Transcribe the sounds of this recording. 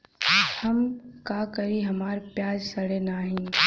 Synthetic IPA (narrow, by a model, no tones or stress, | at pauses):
hɐmkaːkɐɾiɦɐmaːɾpjaːd͡ʒsɐɽenaːɦĩː